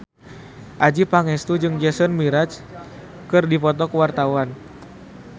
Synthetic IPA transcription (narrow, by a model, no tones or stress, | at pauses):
ʔad͡ʒipaŋɛst̪ud͡ʒɨŋd͡ʒɛsɔnmiɾat͡ʃ | kɨrdipɔt̪ɔkəwart̪awan